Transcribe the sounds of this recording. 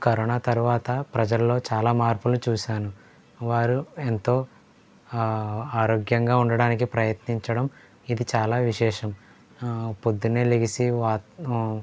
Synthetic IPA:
kɐɾoːnaːt̪ɐɾuʋaːt̪ɐpɾɐd͡ʒɐlːo̞ːt͡ʃaːlaːmaːɾpulut͡ʃuːʃaːnu | ʋaːɾuent̪o̞ː | aːɾo̞ːɡjɐŋɡaːuɳɖɐɽaːnikipɾɐjɐt̪niɲt͡ʃɐɽɐm | id̪it͡ʃaːlaːʋiʃɛːʂɐm | pod̪ːuneːliɡisiʋaː

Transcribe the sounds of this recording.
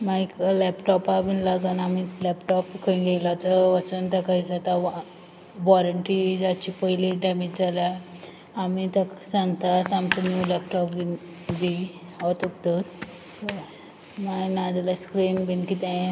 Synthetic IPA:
maiklɛpʈɔpabinlaɡənamilɛpʈɔpkʰəinɡelat͡s̪əʋət͡ɕənt̪akaid͡zat̪a | ʋɔɾəɳʈɾid͡zat͡ɕipəɦiliɖɛmid͡ʑd͡zala | amit̪əksãŋɡt̪at̪amt͡sanjulɛpʈɔpɡi | bʱi | ɔt̪uk̚d̪ət̪ | to | manad̪alaskɾimbinkit̪ẽ

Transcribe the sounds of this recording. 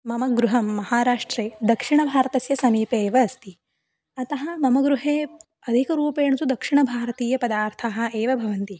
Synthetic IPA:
mɐmɐɡɾuɦɐmːɐhaːɾaːʂʈɾeːd̪ɐkʂiɳɐbʱaːɾɐt̪ɐsjɐsɐmiːpeːʋɐːst̪i | ɐt̪ɐɦɐmɐmɐɡɾuɦeː | ɐd̪ʱikɐɾuːpeːɳɐsud̪ɐkʂiɳɐbʱaːɾɐt̪iːjɐpɐd̪aːɾt̪ʰaːɦɐ̆eːʋɐbʱɐʋɐnt̪i

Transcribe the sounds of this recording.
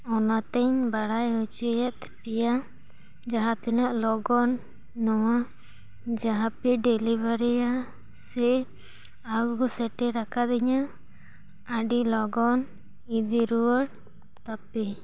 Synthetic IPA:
ɔnat̪ɛɲbaɽajut͡ʃujɛʔt̪pija | d͡ʒaɦãt̪ɛnaʔlɔɡɔnː | ɔwa | d͡ʒaɦãpɛɖɛlibaɾija | sɛ | aɡɔsɛʈɛɾakʰad̪ɛɲaː | ɖilɔɡɔn | id̪iɾuwəɽ | t̪apɛ

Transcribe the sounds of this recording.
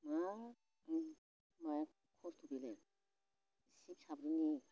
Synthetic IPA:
ma | maj | kʰɔɾt̪ʰubilɛ | sipsabɾini

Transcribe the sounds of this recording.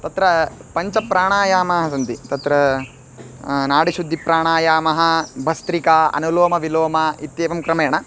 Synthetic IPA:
t̪ɐt̪ɾɐpɐɲt͡ʃɐpɾaːɳaːjaːmɐɦɐs̬ɐnt̪it̪ɐt̪ɾɐ | naːɽiʃud̪ʱːipɾaːɳaːjaːmɐɦɐ̆bʱɐst̪ɾikaːɐ̰nuloːmɐʋiloːmɐit̪jeːʋɐmkɾɐmeːɳɐ

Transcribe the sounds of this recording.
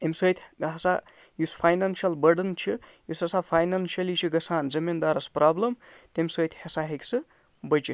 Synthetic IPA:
emʲsəːt̪ʰɡaɦsa | juspʰajnanʃiɐlbɐɾɖənt͡ʃʰijusɐsapʰajnanʃiɐlit͡ʃʰiɡɐsaːnd͡zɐmind̪aːɾɐspraːblɐmt̪emʲsəːt̪ʰʲhesaɦekʲsɨ | bɐt͡ʃi

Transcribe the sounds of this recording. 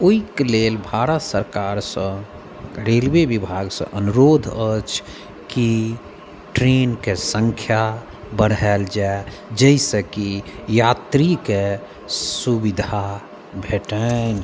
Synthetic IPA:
oikelelbʱaɾət̪səɾkaɾsə̃ | ɾelwebibʱaɡsə̰̃ʔənuɾod̪ʱət͡ʃʰ | ki | ʈɾenkesə̃ŋkʰja | bəɽɦɛld͡ʒae | d͡ʒəisə̃kijat̪ɾike | subid̪ʱa | bʱeʈən

